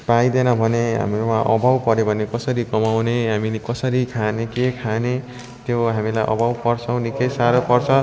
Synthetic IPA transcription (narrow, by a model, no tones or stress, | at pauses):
pajd̪enʌbʱʌneɦa̰mwãʔʌ̰bʱawpʌɾebʱʌnekʌsʌɾikʌmawneɦamiekʌsʌɾikʰanekekʰane | t̪joɦamilajʔʌ̰bʱawpʌrt͡sʰʌwnikejsaɾopʌrt͡sʰʌ